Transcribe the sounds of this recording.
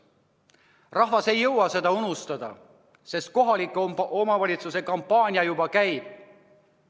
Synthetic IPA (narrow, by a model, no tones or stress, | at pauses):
rɑhvɑse̞jːɤwɑse̞d̪ɑunust̪ɑd̪̥ɑ̰ | se̞st̪̚ko̞ɦɑlikːˑuo̞mɑvɑlʲit̪suse̞kɑmpːɑːnʲiɑjubɑkæjb̥̚